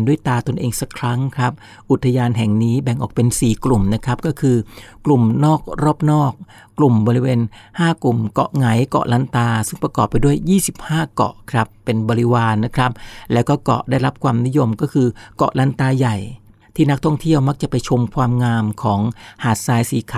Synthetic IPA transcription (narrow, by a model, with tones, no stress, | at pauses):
ndu˥˩əjt̪aː˧t̪o˧nʔeː˧ŋsa˦˥kʰɾa˦˥ŋkʰɾa˦˥p̚ | ʔu˨˩t̪ʰːa˧jaː˧nɦɛ˨˩ŋniː˦˥bɛ˨˩ŋʔɔː˨˩k̚pe˧nsiː˨˩klu˨˩mna˦˥kʰɾa˦˥p̚kɔː˥˩kʰɯː˧klu˨˩mnɔː˥˩k̚ɾɔː˥˩p̚nɔː˥˩k̚ː | lu˨˩mbɔː˧ɾi˦˥weː˧nhaː˥˩klu˨˩mkɔ̰˨˩ʔŋa˩˦jkɔ̰˨˩ʔla˦˥nt̪aː˧sɯ˥˩ŋpɾa˧kɔː˨˩pːa˧jdu˥˩əjːiː˥˩si˨˩p̚haː˥˩kɔ̰˨˩ʔkʰɾa˦˥pːe˧nbɔː˧ɾi˦˥waː˧nːa˦˥kʰɾa˦˥p̚lɛː˦˥wkɔː˥˩kɔ̰˨˩ʔdaː˥˩jɾa˦˥p̚kʰwaː˧mni˦˥jo˧mkɔː˥˩kʰɯː˧kɔ̰˨˩ʔla˦˥˩nt̪aː˧ja˨˩j | t̪ʰiː˥˩na˦˥k̚t̪ʰɔ˥˩ŋt̪ʰi˥˩əwma˦˥k̚t͡ɕa˨˩pa˧jt͡ɕʰo˧mkʰwaː˧mŋaː˧mkʰɔː˩˦ŋhaː˨˩t̪̚saː˧jsiː˨˦kʰ